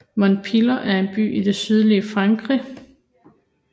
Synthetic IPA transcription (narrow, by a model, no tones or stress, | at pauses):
mɒnpʰilɐʔæɐe̝nb̥y̰ːʔid̥e̝syð̞ˠliəfʁɑ̈ŋɡ̥ʁi